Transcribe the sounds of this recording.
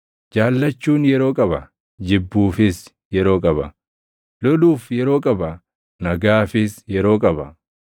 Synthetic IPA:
d͡ʒaːlːɐt͡ʃːuːnjɛɾo̞ːkʼɐbɐ | d͡ʒɪbːuːfɪs | jɛɾo̞ːkʼɐbɐ | lɔluːfjɛɾo̞ːkʼɐbɐ | nɐɡaːfɪsjɛɾo̞ːkʼɐbɐ

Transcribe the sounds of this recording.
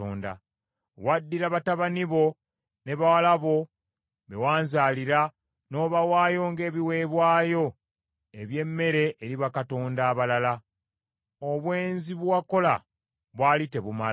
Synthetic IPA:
o̰ːnda̰ | wadːiɾaβataβaniβo̞ | ne̞βawalaβo̞ | βe̞̰waːnzaːliɾa | no̞ːβawaːjo̞ŋɡe̞ːβiwe̞ːβwaːjo̞ | eβje̞mːe̞ɾe̞ʔːɾiβakato̞ːndaːβalala | oβwe̞ːnziβwako̞la̰ | βwaːlite̞βuma

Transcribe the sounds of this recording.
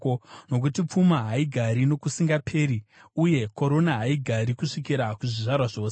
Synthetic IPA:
ono̞k̬utip͡fumaɦaiɡʱaɾino̞kusiŋɡapʰeːɾiuje̞ko̞ɾo̞naɦaiɡʱaɾikuʂikiɾakuʐiʐarwaʐo̞ːse

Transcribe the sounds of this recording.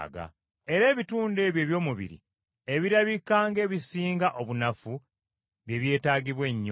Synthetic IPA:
ɡa̰ | e̞ɾe̞ːβituːnde̞βje̞ːβjo̞ːmuβḭɾḭ | e̞βiɾaβikːaːŋɡe̞ːβisiːŋɡaʔo̞βunafu | βje̞βje̞ːtaːɡiβwe̞ɲː

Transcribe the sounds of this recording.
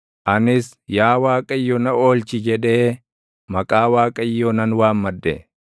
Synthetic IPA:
ʔɐnɪs | jaːwaːkʼɐɪjːɔnɐoːlt͡ʃɪd͡ʒɛᶑe̞ː | mɐkʼaːwaːkʼɐɪjːonɐnwaːmmɐd̪ːɛ̰

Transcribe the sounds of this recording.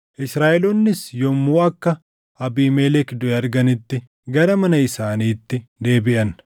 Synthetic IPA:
ʔɪsɾaːʔɛlɔnːɪsjɔmːuːɐkːɐ | ʔɐbiːmɛːlɛkd̪ʊɛɐɾɡɐnɪt̪ːɪ | ɡɐɾɐmɐnɐɪsaːniːt̪ːɪd̪e̞ːbɪʔɐn

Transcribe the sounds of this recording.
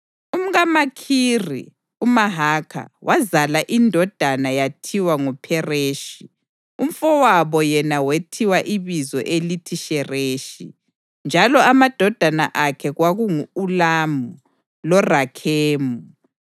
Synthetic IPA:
um̩ɣamakʰirḭ | umaɦaːkʰa̰wʔazalaʔindʱɔd̥ʱanajatʰiwaŋupʰɛreːʃi | um̩fɔwaβɔjɛnawetʰiwaʔiβizɔʔelitʰiʃɛreːʃi | nd͡ʒʱalɔamad̥ʱɔd̥ʱana̰ʔakʰɛɣwaɣuŋuːlamu | lɔrakʰeːmu

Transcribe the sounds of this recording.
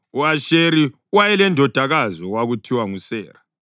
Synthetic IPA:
uaʃeɾi | wajɛlɛndʱɔd̥ʱaɣazɔwaɣutʰiwaŋusɛ̰ːra

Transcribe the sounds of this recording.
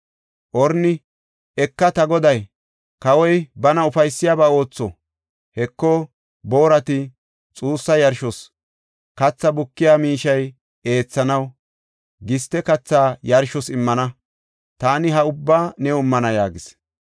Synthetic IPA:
ʔɔɾnɪ | ɛkːɐt̪ɐɡɔd̪ɐj | kɐwɔjbɐnɐʊfɐjsːɪjaːbao̞ːt͡sːɔ | hɛkːɔ | bo̞ːɾɐt̪ɪ | t͡sʼuːsːɐjɐɾʃɔs | kɐt͡sːɐbʊkːɪjaːmiːʃɐj | e̞ːt͡sːɐnɐw | ɡɪst̪ːɛkɐt͡sːaːjɐɾʃɔsɪmːɐnɐ | t̪aːnɪɦɐʊbːaːnɛʊmːɐnɐjaːɡɪs

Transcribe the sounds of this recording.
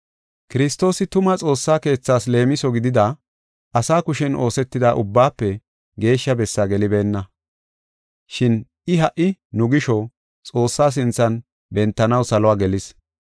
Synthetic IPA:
kɪɾɪst̪ːo̞ːsɪt̪ʊmɐt͡sʼo̞ːsːaːke̞ːt͡sːaːsle̞ːmɪsɔɡɪd̪ɪd̪a | ʔɐsaːkʊʃɛnʔo̞ːsɛt̪ːɪd̪aːʔʊbːaːpːɛ | ɡe̞ːʃːɐbɛsːɐɡɛlɪbe̞ːnːɐ | ʃɪn | ɪɦɐʔɪnʊɡɪʃɔ | t͡sʼo̞ːsːaːs̬ɪnt͡sːɐn | bɛnt̪ːɐnɐwsɐlɔaːɡɛlɪs

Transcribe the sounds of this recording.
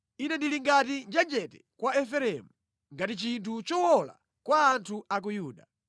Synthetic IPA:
inɛndiliŋɡatind͡ʒɛd͡ʒɛtɛ̥kwaɛfɛɾɛmu | ŋɡatit͡ʃintʰut͡ʃɔwɔla̰ | kwaːntʰuak̬ujuːɗa

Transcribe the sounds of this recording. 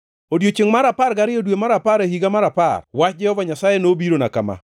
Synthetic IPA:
odjot͡ʃɪŋmaɾapaɾɡaɾɪodwemaɾapaɾehiɡamaɾapa̰rwat͡ʃd͡ʒɛhɔvaɲasajenobiɾonaka̰ma̰

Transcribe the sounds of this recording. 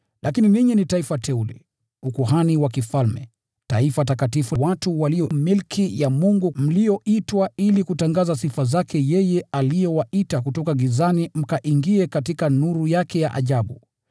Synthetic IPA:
lʔakiniliɲinitaifatʰɛulɛ̰ | ukuɦaniwakifalmɛ̰ | taifatakatifuwatuwalijɔmilkʰijamuŋɡum̩lijɔitwailikutaŋɡazasifazakʰɛjɛjɛalijɔwaitak̬utɔkaɡizanim̩kaʔiŋɡiɛkatikanuɾujakɛja̰ʔa̰ʄaɓṵ

